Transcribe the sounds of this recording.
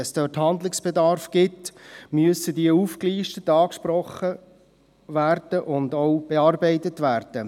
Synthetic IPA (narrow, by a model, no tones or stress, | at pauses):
sd̥øːthɑndlɪksb̥ɛdɑːɾfɡ̥ɪtmyəsədiəuːfkliːʃtətɑːkʃprɔχə | væːɾd̥əʔʊndoʊb̥eɑːɾbɛɪtətvæːɾd̥ə